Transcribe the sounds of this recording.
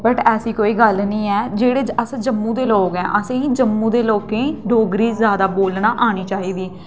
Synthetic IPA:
bəʈɛːsiːkoːiːɡəlnĩːɛːd͡ʒeːɽeːd͡ʒəsd͡ʒəmːũːd̪eːloːkɛ̃ːʔəsẽiːd͡ʒəmːũːd̪eːloːkẽːɖoːɡɾiːzjaːd̪aːboːlnaːʔaːñiːt͡ʃaːiːd̪iː

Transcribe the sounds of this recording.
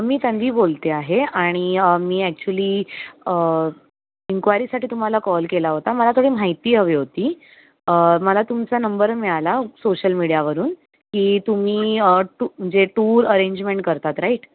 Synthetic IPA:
miːt̪jãnd̪ʱiːbolt̪eaɦeaɽ̃iəmiːæk̚t͡ɕuəliːə | iŋkʋajɾiːsaʈiːt̪um̤alakɔlkelaɦot̪aməlat̪ʰoɽiːmaɦit̪iːɦəʋiɦot̪iː | əməlat̪umt͡sanəmbəɾmiɭalasoɕəlmiɽijaʋəɾuːn | kiːt̪um̤iːəʈum̤əɳd͡zeʈuːɾəɾeɲd͡ʑmẽɳʈ̚kəɾt̪at̪ɾaiʈ

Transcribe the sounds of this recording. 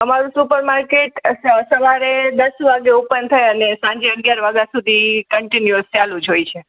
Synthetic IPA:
əmaɾũsupəɾmaɾkeʈsəʋaɾed̪əsʋaɡeupənt̪ʰəjənesãɲd͡ʒeəɡjaɾʋaɡasud̪ʱikəɳʈinjuəst͡ʃalũd͡ʒʱojt͡ʃʰe

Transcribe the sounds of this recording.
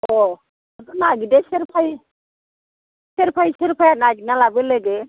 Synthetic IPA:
ɔ | atɔnaɡideseɾpʰaj | seɾpʰajseɾpʰajanaɡinalabeleɡe

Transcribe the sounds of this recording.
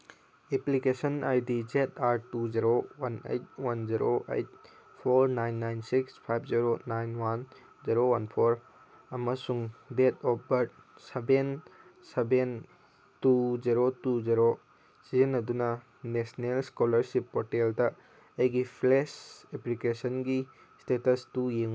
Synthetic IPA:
eplikesɐnajdid͡ʒetaɾtud͡ʒiɾowanḛjt̚wanziɾoʔḛjt̚ | pʰoɾnajnːajnsikspʰajbʰziɾonajnwan | ziɾowɐnpʰoɾ | ɐmɐsuŋdetɔbɐɾ̚ | seben | seben | tuziɾotuziɾo | sizinːɐdunɐ | nesnelskolɐɾsipːoteldɐ | ɐjɡipʰleseplikesɐnɡi | stetɐstujeŋ

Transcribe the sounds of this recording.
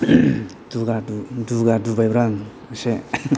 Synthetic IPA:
duɡaduduɡadubajbɾaŋ | se

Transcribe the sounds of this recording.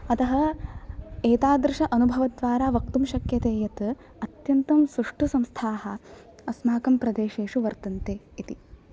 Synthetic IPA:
ɐt̪ɐɦɐ | eːt̪aːd̪ɾɪʃɐʔɐnubʱɐʋɐd̪ʋaːɾaːʋɐkt̪umʃɐkjɐt̪eːjɐt̪ | ɐt̪jɐnt̪ɐmsɾuʂʈʰusɐmst̪ʰaːɦɐ | ɐsmaːkɐmpɾɐd̪eːʃeːʂuʋɐɾt̪ɐnt̪eː | it̪i

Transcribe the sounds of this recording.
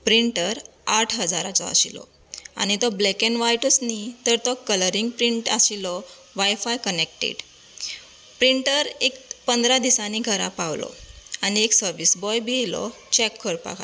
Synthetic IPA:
pɾiɳʈəɾ | aʈʰɦəd͡zaɾat͡sɔa̰ɕilɔ̰ | a̰ñit̪ɔblɛkenʋajʈəsnit̪əɾt̪ɔkələɾiŋɡ̚pɾiɳʈasilɔ | ʋajfajkənek̚ʈḛɖ | pɾiɳʈəɾekpənd̪ɾad̪isãniɡʱəɾapaʋlɔ̰añieksəɾʋisbɔjbʱilɔ̰ | t͡ɕɛkʰːəɾpa̰ka

